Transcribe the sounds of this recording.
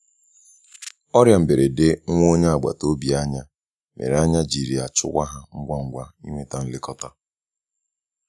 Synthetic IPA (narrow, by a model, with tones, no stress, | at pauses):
ɔ˦ɾja˨m̩˨be˨ɾe˨dɪ˦ŋ̩˦ŋʷo˦ɲe˦a˨ɡ͡ba̰˨to˦bi˨a˦ɲa˦ | mʔḛ˨ɾe˨a˦ɲa˦d͡ʒi˨ɾi˨a˨t͡ʃʊ̰˦kʷa˦ɦa˦ŋ̩˦ɡʷa˦ŋ̩˦ɡʷa˦ḭ˦ŋʷe˦ta˦n̩˦lɪ˦kɔ˦ta˦